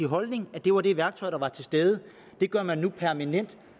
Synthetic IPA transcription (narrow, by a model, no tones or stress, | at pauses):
iɦɒ̽lne̝ŋæd̥e̝ʋɑ̈ɾ̥e̝ʋæɐɡ̥t͡sʰɒ̽ɪd̥ɑ̈ʋɑ̈t͡sʰe̝sd̥eːð̞ˠə | d̥e̝ɡ̥ɶɐ̰mænːupʰæɐmænen̰d̥